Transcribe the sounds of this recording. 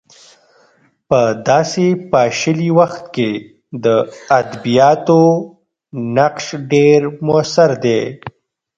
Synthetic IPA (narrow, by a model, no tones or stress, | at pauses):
pəd̪ɑːsepɑːʃəliwaxt̪ke | d̪əad̪bijɑːt̪o | naqʃɖeɾmʊasaɾd̪e